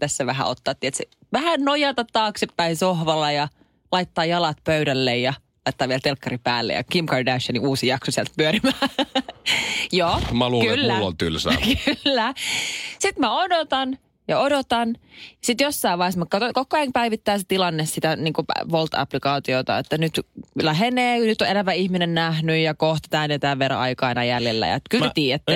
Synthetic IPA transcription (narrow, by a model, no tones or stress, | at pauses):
t̪æsːæʋæɦæ̰ot̪ːɑːt̪ːiet̪se | ʋæhænnojɑt̪ɑt̪t̪ɑːksepːæisohʋɑlːˑɑjɑ | lɑit̪ːɑːjɑlɑt̪pøydælːejjɑ | lɑit̪ːɑːʋielt̪elkːɑripæːlːḛjɑ̰kimkɑridæʃɑniuːsijɑksosiɛlt̪̚pyøɾimæː | joːmæluːkylːlːo̰lt̪ylsækyllːæ | sit̪mæodot̪ɑn | jɑodot̪ɑnjɑsit̪josːɑiʋʋɑˑiesmɑkkɑt̪okokːoɑŋpæiʋit̪ːæːset̪ilɑnːessit̪æniːŋkupæ̰ʋolt̪ɑ̰plikɑːt̪iot̪ɑ̰et̪ːænyt̪læɦeneːnyt̪ːoelæʋæihminennæhnyjjɑkoht̪i̥t̪æːnet̪æːʋʋer̰ɑikɑinɑjæljelːæ̰jɑ̰t̪kymlt̪iːet̪ːæ